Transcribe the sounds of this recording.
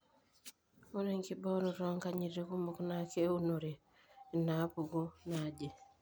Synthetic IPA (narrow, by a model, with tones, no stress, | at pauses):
o˦ne˨ŋki˦bɔ˦ɾu˨ɾɔ˦ŋka˦ɲiɾi˦ku˦mo˨knake˦u˦no˨ɾeː˨ | na˨˦pu˨ɡo˦nad͡ʒe˨